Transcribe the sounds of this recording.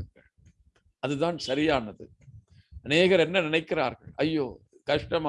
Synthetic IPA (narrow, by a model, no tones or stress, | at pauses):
ɐɭ | ɐðɯðaːnsɐɾɪjaːnɐðɯ̰ | ɐneːɣɐɾɛnːɐnɪnɐɪkːɪɾa̰ːɾɣɐ̰ɭɐjːoː | kɐʂʈɐma